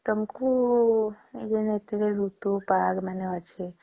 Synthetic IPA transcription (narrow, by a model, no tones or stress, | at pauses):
k̪əmku | jenet̪ɾeɾut̪upaɡmaneʋat͡ʃʰe